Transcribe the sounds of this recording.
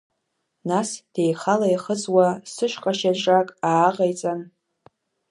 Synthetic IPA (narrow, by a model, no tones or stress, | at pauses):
nasd̥ejχalajχəd͡zwasɨʃqʼaʃaʒʷʼakʼaːqajt͡sʼan